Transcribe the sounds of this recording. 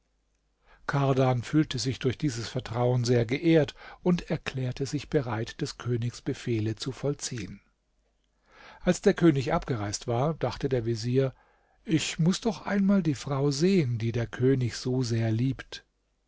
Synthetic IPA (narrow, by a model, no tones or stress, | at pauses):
kʰaɐdanfyːltəzɪçd̥ʊɐçd̥iːzəsfɛɐtʁ̥aʊənzeːɐɡəʔeːɐtʔʊntʰɛɐkʰl̥ɛːɐtʰəzɪçb̥əʁaɪtd̥ɛskʰøːnɪçsb̥əfeːlət͡sufɔlt͡siːən | ʔalsd̥eːɐkʰøːnɪçʔap̚ɡ̥əʁaɪstv̥aːɐd̥aχtədeːɐviziːɐ | ʔɪçmʊsd̥ɔχʔa̰ɪnmaːldiːfʁ̥aʊzeːəndiːdeːɐkʰøːnɪçz̥oːzeːɐliːpt